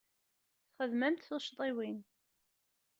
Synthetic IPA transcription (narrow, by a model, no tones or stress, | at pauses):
θχəðmæmt̪θoʃt̪ˤiwin